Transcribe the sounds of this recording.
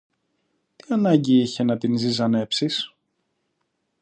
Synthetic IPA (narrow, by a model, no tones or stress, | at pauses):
t̪iɐnɐɲɟiiçe̞nɐt̪inzizɐne̞psis